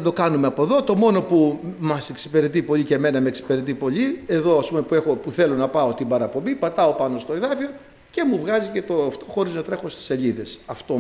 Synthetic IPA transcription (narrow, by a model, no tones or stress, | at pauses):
ɐd̪okɐnumeɐpo̞ðot̪o̞mo̞no̞pumɐse̞ksi̥pe̞ɾet̪̬ipo̞ʎiceme̞nɐmeːksi̥pe̞ɾe̞t̪̬ipo̞ʎie̞ðo̞ɐspumepue̞xo̞puθe̞lo̞nɐpɐo̞t̪ibɐɾɐpo̞mbipɐt̪ɐo̞pɐno̞st̪o̞eðɐfio̞ | ce̞muvɣɐzice̞t̪oft̪o̞xo̞ɾiznɐt̪ɾe̞xo̞st̪i̥se̞ʎiðe̞sɐft̪o